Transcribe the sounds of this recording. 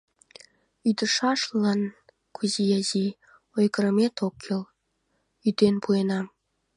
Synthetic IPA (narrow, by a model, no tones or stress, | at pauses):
yd̪əʃɑʃlɑn | kʰuzijɑzi | ojkəɾə̆met̪okʰːil | yd̪enpuenɑm